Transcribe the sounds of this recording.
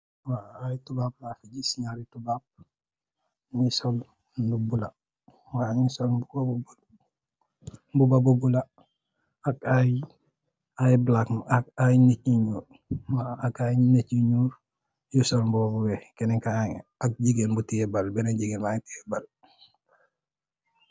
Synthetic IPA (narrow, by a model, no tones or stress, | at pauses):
waajitubap̚laːfiɟisiɲaɾitubap̚ | ɲisol | ndubula | waɲisolbubabubal | mbubabubula | akaj | ajblakakajniciɲuːɾ | waːkajinet͡ʃiɲuɾ | jusolmbubabuwekeniŋkaaŋak̚ɟiɡenbutiebalbenaɟiɡenmajitiebal